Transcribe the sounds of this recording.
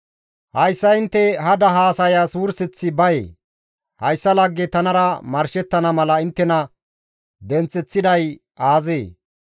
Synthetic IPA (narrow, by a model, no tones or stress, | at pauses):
hɐjsːɐɪnt̪ːɛɦɐd̪ɐɦaːsɐjasuːɾsɪt͡sːɪbɐjḛː | hɐjsːɐlɐɡːet̪ɐnɐɾɐmɐɾʃɛt̪ːɐnɐmɐlɐɪnt̪ːɛnɐ | d̪ɛnt͡sʼːɛt͡sːɪd̪ɐj | aːzeː